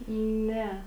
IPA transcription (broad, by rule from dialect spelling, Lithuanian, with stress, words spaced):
ˈnʲɛ